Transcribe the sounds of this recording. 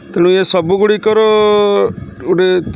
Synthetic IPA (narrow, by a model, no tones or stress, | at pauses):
t̪eɽ̃ũesɔbuɡuɽikɔɾɔ | uɖe